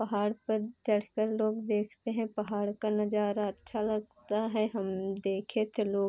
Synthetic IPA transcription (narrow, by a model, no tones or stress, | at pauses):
pɐɦaːɽpɐɾd͡ʒɐɽkəɾloːɡd̪eːkʰt̪eɦɛ̃pɐɦaːɽkanɐd͡ʒaːɾaɐtːʃʰalɐɡt̪aɦɛɦɐmd̪eːkʰet̪ʰeloː